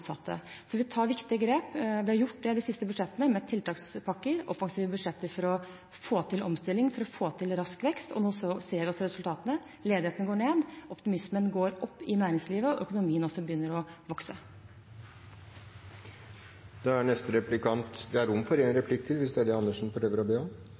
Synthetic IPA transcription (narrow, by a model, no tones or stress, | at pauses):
sɑt̪ʰːə̰sɔʋɪt̪ʰɑːɾʋɪkt̪ɪəɡɾeːpʋɪhɑɾjʊʈ̚ːd̪ɛd̪ɪsɪst̪əbʉʂɛt̪ːənəmɛt̪ʰɪlt̪ɑːkspʰɑkːəɾɔ̰fɑŋsiːʋəbʉd̪ʂɛt̪ːəɾfɔɾɔ | foːt̪ʰɪlʔɔmst̪ɪlːɪŋfɔɾɔfoːt̪ʰɪlɾɑskʋɛkst̪ɔ̰noːsɔseːɾʋɪɔsɔɾɛsʉlt̪ʰɑːt̪ənə | leːd̪ɪheːt̪nəɡoːɳeːd̪ɔpt̪ɪmɪsmənɡoːɾɔpːɪnæːɾɪŋsliːʋəɔʔœkʊnʊmiːənɔsɔbəjʏnːəɾɔʋɔksə | d̪̥ɛæɳɛst̪̩ɾɛplɪkʰɑnt̪d̪ɛæɾʊmːfɔɾɛnɾɛpʰlɪkːt̪ʰɪlʋɪsd̪ɛæd̪ɛɑnːəʂn̩fɔɾøːʋəɾɔbeːɔm